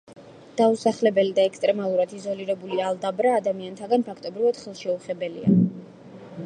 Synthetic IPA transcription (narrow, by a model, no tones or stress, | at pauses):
d̪̥ausaχlɛbɛlid̪aɛkst̪ʼɾɛmalˠuɾad̪izɔliɾɛbulialˠd̪abɾaːd̪amiant̪ʰaɡanpʰakʰt̪ʼɔbɾivad̪̥χɛlˠʃɛuχɛbɛlḭa̰